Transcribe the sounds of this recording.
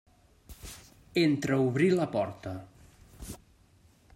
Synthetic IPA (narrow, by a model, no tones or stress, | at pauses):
ent̪ɾəuβɾiləpɔɾt̪ə